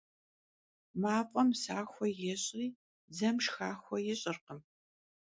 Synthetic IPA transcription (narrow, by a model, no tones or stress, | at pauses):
maːpʷʼɔmsaːxʷɔjɛɕʼiː | zɐmʂxaːxʷɔjɪɕʼɪrqəm